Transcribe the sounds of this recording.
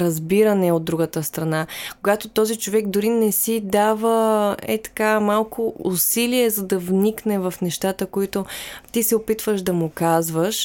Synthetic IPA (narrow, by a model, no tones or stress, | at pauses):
ɾɐzbiɾənɛod̪̚ːɾuɡət̪əst̪ɾɐnakkoɡat̪ot̪ɔzit͡ʃovɛɡd̪ʊɾinɛsid̪avəɛ̰t̪ɐ̥kamalˠkʊʊsiliɛzɐd̪ɐvniknɛvɐfnɛʃt̪at̪əkoit̪ot̪isɛopit̪vəʃd̪ɐmʊkazvəʃ